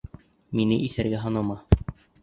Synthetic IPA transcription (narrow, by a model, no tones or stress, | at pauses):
minɘʔiθæɾɡæɦɑnɤmɑ